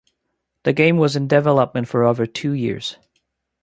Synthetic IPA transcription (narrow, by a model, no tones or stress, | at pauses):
ðɨɡẽɪ̃mwʌzɨ̃ndɨvɛlˠəp̚mɨ̃ntfə˞oʊvə˞tʰʉjɪ̰ɹz̥